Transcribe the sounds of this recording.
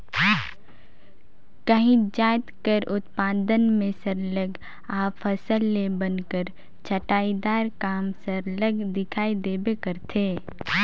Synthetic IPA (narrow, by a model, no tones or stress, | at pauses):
kəɦĩd͡ʒaːt̪kəɾʔʊt̪paːd̪ənmẽsəɾləɡ | aːpʰəsəlːebənkəɾ | t͡ʃʰəʈaːid̪aːɾkaːmsəɾləɡd̪ɪkʰaːid̪eːbekəɾt̪ʰeː